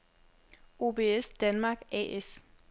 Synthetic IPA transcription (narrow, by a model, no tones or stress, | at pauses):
o̝ːb̥e̝esd̥ænmɑ̈ːɡ̥ɛ̰ʔes